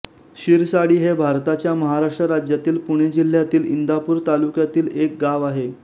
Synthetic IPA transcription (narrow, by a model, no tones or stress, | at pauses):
ɕiɾsaɽiːɦebʱaɾt̪at͡ɕjaməɦaɾaʂʈɾəɾad͡ʑjat̪iːlpuɽ̃ed͡ʑil̤jat̪iːlind̪ʱapuːɾt̪alukjat̪iːlek̚ɡaʋaɦe